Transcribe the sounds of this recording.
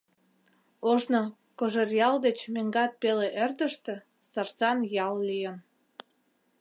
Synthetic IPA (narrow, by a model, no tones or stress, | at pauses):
oʒno | koʒerjɑld̪et͡ɕmeŋɡɑt̪̚peleʔerd̪ə̆ʃt̪ĕ | sɑrt͡sɑnjɑllijəm